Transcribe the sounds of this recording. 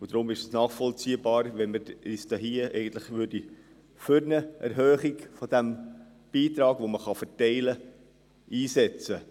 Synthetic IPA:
ud̥̪ɾʊmɪʃəsnɑːχfɔlt͡siəbɑːɾʋɛnməɾistɑɦiəɛ̰ɪɡən̩t̪ləχʋʏɾdi | fʏɾnəʔɛ̰ɾɦœːχiɡfɔd̥̪æm | b̥iːt̪ɾɑːɡ̥ʋoməχɑfɛtɛɪlə | iːsɛt͡sə

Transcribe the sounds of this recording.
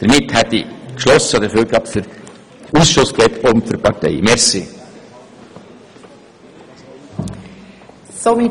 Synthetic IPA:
d̪̥əɾmɪthɛt̪ːikʃlɔsəd̪əføːɾɡɑːpsd̥əɾ | usʃʊskɛtʰobm̩føpɑɾtɛ̰ɪmɛɾsi | somi

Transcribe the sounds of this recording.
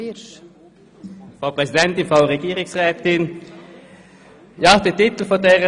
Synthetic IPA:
fʁaʊpʁɛsɪd̪ɛnt̪ɪnfʁaʊʁɛɡiːʁɪŋsʁɛːt̪ɪn | jɑːd̪eːt̪ɪt̪l̩fɔd̪eːʁə

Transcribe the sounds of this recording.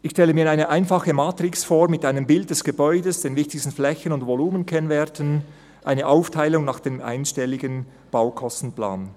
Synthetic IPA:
ɪçʃtɛləmiːɐaɪnəʔaɪnfɑχəmaːtrɪksfoːʁmɪtʔaɪnəmbɪld̚d̥ɛsɡ̥əbɔʏdəsd̥eːnvɪçtɪçstn̩flɛçənʊndvoluːmənkʰɛnvɛɐtʰən | ʔa̰ɪnəʔaʊftʰaɪlʊŋnɑːχd̥eːmʔa̰ɪnʃtɛlɪɡən | b̥aʊkʰɔstn̩pla̰ːn

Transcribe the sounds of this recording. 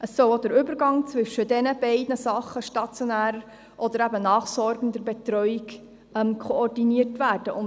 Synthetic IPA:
ʔəsːɔlod̪əɾʏbəɾɡɑŋt͡sʋʏʃːədɛnəb̥ɛɪdnəsɑχːəʃtɑt͡sjɔnæːɾə | ʔɔd̥̪əɾæbənɑːχsɔɾɡən̩dəɾbɛtɾœʏiɡ | ɛmkʰχɔɔrdiniərtʋæːɾd̥əʔʊn

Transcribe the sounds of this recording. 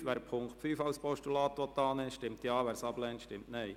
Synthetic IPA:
ʋæːɾpʰʊŋkχtfyːfɑʊspɔʃtulɑːt̪ʋɔt̪ːɑːnɛːʃtɪmt̪jɑːʋæːɾsɑblɛntʃtɪmtnɛɪ

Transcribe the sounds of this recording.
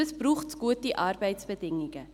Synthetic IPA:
əsbruχtɡuət̚diʔɐrbəjtsbədɪŋiŋə

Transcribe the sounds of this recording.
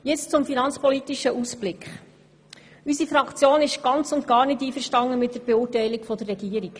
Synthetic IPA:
jɛt͡st͡sʊmfinɑnt͡spɔlitiʃəʔusb̥lɪkχ | ysifɾɑkt͡sjoːnɪʃɡ̥ɑnt͡sʊntɡɑːɾnɪtiːfəɾʃtɑŋəmɪt̚d̥əɾb̥ɛʊːtɛɪlikfɔdərːɛɡiːəɾik

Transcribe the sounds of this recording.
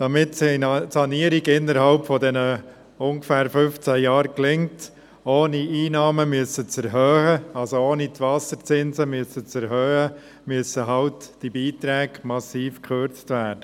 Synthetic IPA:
d̥ɑmɪtsisɑniəɾiɡɪnːəɾɦɑlpfɔdɛnə | ʊŋɡəfæːɾfʏnft͡sæjɑːɾklɪŋt | oːniʔiːnɑːməmyəsət͡sɛɾɦœːhəɑlsooːnitʋɑsəɾt͡sɪnsəmyəsət͡sɛɾɦœːhə | myəsəɦɑltd̥ibiːtɾɛːɡmɑsiːfkʰχøɾt͡stʋæːd̥ə

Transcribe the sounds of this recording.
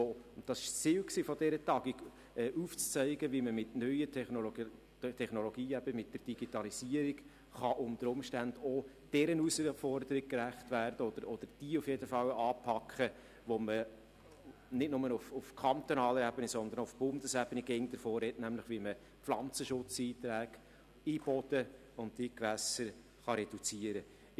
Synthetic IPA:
oʊnd̥ɑsɪʃt͡siːwksiːfɔdɛɾətɑːɡiɡ | ɛːʔuːft͡st͡sœɪɡəʋiməmɪtnœʏətʰ | tʰɛχnɔlɔɡiːæb̥əmɪt̚d̥ərd̥iɡ̥itɑlisiːəɾiɡ | χɑʔʊmd̥̪əɾʊmʃtænd̥̪ɔ | d̥ɛɾənusfɔrdəɾiɡ̥̚kræχtʋæːrd̥əɔd̪əɾɔd̥̪əɾd̥iːufjedəfɑwɑːpʰɑkχə | ʋɔmə | nɪtnʊmənufʊfkʰɑnt̪onɑːləɾɛbənisɔnd̪əɾnɔʊfb̥ʊnd̪əsæb̥əniɡeŋd̥̪əɾfɔːrɛtnæmlɪχʋimə | p̪flɑnt͡səʃʊt͡siːt̪ɾæːɡ | ib̥ɔd̥̪ə | ʊnttːikʋæsəɾ | χɑɾɛd̥ut͡siəɾə

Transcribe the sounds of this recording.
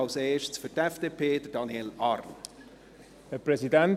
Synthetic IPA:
ɑlseːʃsfʏtɛfd̥eːpʰeːd̥əd̥ɑniɛlɑrn | həprɛzidɛn

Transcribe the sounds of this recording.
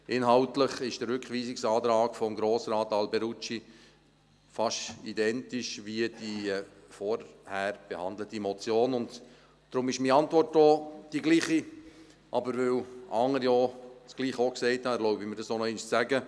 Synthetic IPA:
ʔɪnɦɑʊtləχɪʃd̥əɾʏkχʋiːsɪksɑːt̪ɾɑːɡ̥fɔmɡɾoːsɾɑːtɑlbɛɾut͡ʃi | fɑʃidɛntɪʃʋiəd̥ifɔɾhæɾb̥ehɑnd̪lətimɔt͡sjoːnʊnd | d̥ɾʊmɪʃmiɑntʋɔrtɔd̥iɡliːχi | ʔɑbəɾʋɪwʔɑŋːəɾjɔt͡sɡ̥liːχɔksɛɪthɑɾlɔʊbiməɾd̥ɑsonɔɛɪnʃt͡sæɡə

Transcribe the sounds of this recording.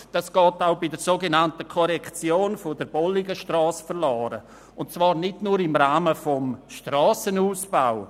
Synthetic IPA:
d̥ɑsɡ̥ɔːtaʊbɪdəɾsoːɡenantəkʰɔɾɛkt͡sjoːnfʊdəɾb̥ɔlɪɡəʃtrɑːsfəɾlɔːɾə̰ | ʊntt͡svɑːɾnɪdnuːɾɪmraːməfɔmʃtrɑːsənuːsb̥aʊ

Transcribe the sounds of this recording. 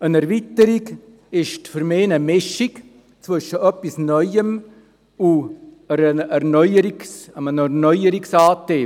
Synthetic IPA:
ənɛɾvitəɾiɡ | ɪʃtfʏɾmeːnəmɪʃɪɡ | t͡svʏʃəʔœpːisnœʏəm | ʊ | əɾəɛɾnœʏəɾiksəmənəɾnœjəɾiksaːteː

